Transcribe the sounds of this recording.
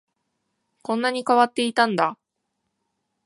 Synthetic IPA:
kõ̞nːaɲ̟ikaβat̪ːe̞it̪ãnd̪a

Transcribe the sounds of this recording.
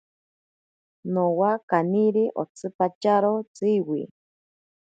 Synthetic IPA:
nowakaniɾiʔo̰t͡sɨpat͡ʃaɾot͡siwi

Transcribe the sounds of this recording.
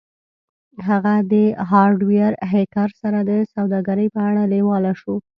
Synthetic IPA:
ɦaɣad̪əɦɑɾɖwiaɾɦekaɾsaɾad̪əsawd̪ɑɡaɾəjpəaɽalewɑlaʃu

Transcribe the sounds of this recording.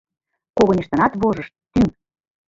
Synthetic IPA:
koɣɤ̆nʲiʃt̪ɤ̆nɑt̪βoʒɤʃt̪̚ːyŋ

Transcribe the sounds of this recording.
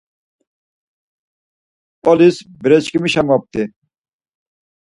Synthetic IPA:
ɔlisbiɾɛt͡ɕkimiʃamɔp̚t̪i

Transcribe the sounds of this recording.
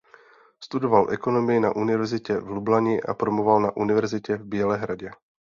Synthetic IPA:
st̪udovalʔɛko̞no̞mɪjɪnaʔunɪvɛɾzɪcɛvlublaɲɪʔa̰pɾomovalnaʔunɪvɛɾzɪcɛvbɪɛlɛːɦɾaɟɛ

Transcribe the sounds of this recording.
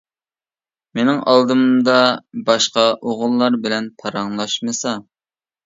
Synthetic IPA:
menɪŋɑ̰lˠd̪ɨmd̪ɑbɑʃqɑʔoʁʊlˠːɑɾbɪlɛnpʰɑɾɑŋlˠɑʃmɨsɑ

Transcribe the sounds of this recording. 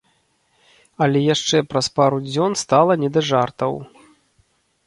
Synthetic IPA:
ɐlʲɛjaʂt͡ʂɛpɾɐspaɾud͡zʲɔnst̪alˠɐnʲɛd̪ɐʐart̪ɐw

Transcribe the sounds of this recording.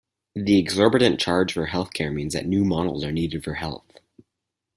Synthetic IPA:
ðiɨɡzɔɹbɨɾɨ̃nt͡ʃʰɑɹd͡ʒʒ̥fə˞ɦɛlˠθkʰɛɹmĩnzðɨ̰tⁿnʉmɑnl̩ˠzə˞niɾɨd̥fə˞hɛ̰lˠθ

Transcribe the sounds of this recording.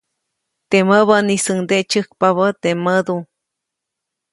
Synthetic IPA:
t̪eməβənisɨŋd̪eʔt͡ʃɨhk̚paβət̪eməd̪u

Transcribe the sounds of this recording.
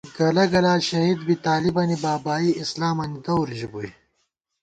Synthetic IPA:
ɡɐlɐɡɐlaːɕɐɦid̪bit̪aːlibɐnibaːbaːiislaːmɐnid̪ɐwɾʑibui

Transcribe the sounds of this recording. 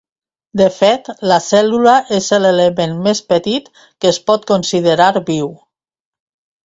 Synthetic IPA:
d̪əfet̪ləsɛluləʔezəleləmenmespət̪it̪ | kəːspɔt̪konsiðəɾaɾβiw

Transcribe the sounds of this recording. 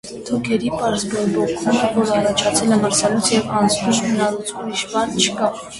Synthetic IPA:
t̪ʰukʰɛɾipɑɾzbɔɾbɔkʰumvɔɾəɑrɑt͡ʃʰɑt͡sʰɛlɛməɾsɑlut͡sʰjɛvɑnt͡sʰnuʃmənɑɾut͡sʰumiʃbɑnt͡ʃʰə̥kɑ

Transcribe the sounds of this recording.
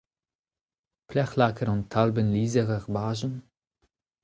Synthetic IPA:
pʰlɛχlakʰəɾʊntʰːalbənliːzəʁəʁbaːʒn̩

